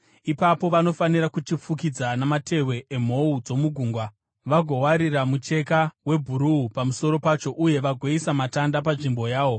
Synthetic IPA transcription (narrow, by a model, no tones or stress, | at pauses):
ipapo̞ʋano̞faniɾakut͡ʃip͡fukid͡zanamate̞we̞ʔem̤o̞ud͡zo̞muɡʱuːŋɡwa | ʋaɡʱo̞waɾiramut͡ʃe̞kawe̞bʱuɾuupamuso̞ɾo̞pat͡ʃo̞ʔuje̞ʋaɡʱweisamatandapaʐimbo̞jaːʋo̞